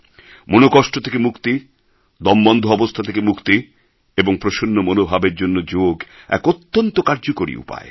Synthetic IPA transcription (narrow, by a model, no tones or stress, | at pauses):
monokɔʃʈot̪ʰekemukt̪i | d̪ɔmbɔnd̪ʱoɔbost̪ʰat̪ʰekemukt̪i | eboŋpɾoʃonːomonobʱabeɾd͡ʑonːod͡ʑoɡɛ̰kot̪ːont̪okaɾd͡ʑokoɾḭṵpa̰e